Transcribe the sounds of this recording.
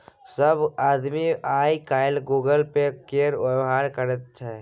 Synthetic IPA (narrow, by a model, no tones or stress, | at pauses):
səbaːd̪miaːikaːjɪlɡuːɡəlpekeːɾʊbɦaːɾkəɾət̪̚t͡ʃʰɛ